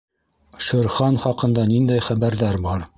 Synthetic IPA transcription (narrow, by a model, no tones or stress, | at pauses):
ʃɤ̆ɾχɑnχɑqɤ̆nd̪ɑnind̪æjχæbæɾðæɾbɑɾ